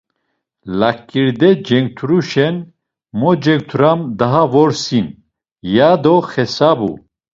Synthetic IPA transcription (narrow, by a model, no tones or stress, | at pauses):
lakʼːiɾd̪ɛd͡ʒɛŋɡ̚t̪ʰuɾuʃɛn | mɔd͡ʒɛŋɡ̚t̪ʰuɾamd̪aɦavɔɾsin | jad̪ɔχɛsabṵ